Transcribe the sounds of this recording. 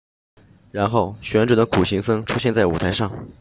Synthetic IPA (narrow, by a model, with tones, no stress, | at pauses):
ɻa˧˥nxo˥˩ʊɕɥɛ˧˥nʈ͡ʂɤ˨˩d̪ə˦kʰu˨˩ɕi˧˥ŋsɤ˥ŋʈ͡ʂʰu˥ɕjɛ˥˧nt͡sa˥˩ɪṵ˨˩t̪ʰa˧˥ɪʂɑ˥˩ŋ